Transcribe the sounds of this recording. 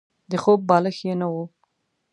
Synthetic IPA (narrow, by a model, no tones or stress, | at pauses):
d̪əxob̚ːɑləxjenawu